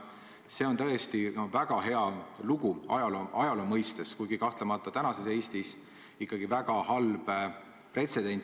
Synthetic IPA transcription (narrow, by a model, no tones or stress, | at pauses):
se̞o̞nt̪ɤ̞e̞st̪inovæɡ̥ɑɦe̞ɑluɡ̥uɑjɑloɑjɑlomɤjst̪eskujɡ̥ikɑht̪lemɑt̪ːˑɑt̪ænɑse̞se̞ːst̪is | ikːˑɑɡ̥ivæɡ̥ɑhɑlb̥ | pre̞t̪se̞d̪e̞nʲt̪ː